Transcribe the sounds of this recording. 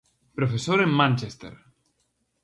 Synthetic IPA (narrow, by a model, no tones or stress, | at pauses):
pɾofesoɾemmãnt͡ʃest̪ḛɾ